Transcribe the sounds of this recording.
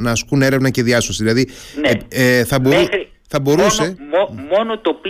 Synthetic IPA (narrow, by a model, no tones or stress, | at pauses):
nɐːskune̞ɾe̞vnɐce̞ðiɐsosiðilɐðineθɐbomxɾi | θɐbo̞ɾuse̞omo̞not̪opl